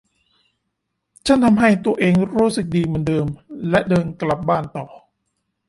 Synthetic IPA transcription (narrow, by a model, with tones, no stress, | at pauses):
t͡ɕʰa˥˩nt̪ʰa˧mɦa˥˩jt̪u˧ɐʔeː˧ŋɾuː˦˥sɯ˨˩k̚diː˧mɯ˧əndɤː˧mlɛ˦˥ʔdɤː˧nkla˨˩p̚baː˥˩nt̪ɔː˨˩